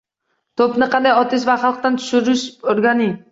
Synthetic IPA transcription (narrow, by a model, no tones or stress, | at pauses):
t̪ʰopnɪqʰɑnd̪ajɒt̪ɪs̬vaχɑlˠq̚t̪ant̪ʰʊ̥ʃɪɾɪʃoɾɡʲanɪ